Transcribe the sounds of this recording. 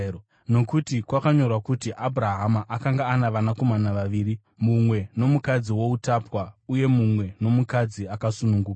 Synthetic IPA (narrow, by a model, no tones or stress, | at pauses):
no̞kutikwakaɲo̞rwakutiʔabʱuɾaɦamaʔakaŋɡaːnaʋanako̞manaʋaʋiːɾi | mumwe̞no̞mukad͡ziwo̞utapwauje̞mumwe̞no̞mukad͡ziakasunuŋɡuːka